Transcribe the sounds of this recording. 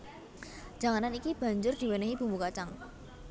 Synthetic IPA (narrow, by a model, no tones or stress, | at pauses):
d͡ʒ̥aŋananikib̥a̤ɲd͡ʒʊrd̪̥i̤wɛnəɦib̥ṳmukat͡ʃaŋ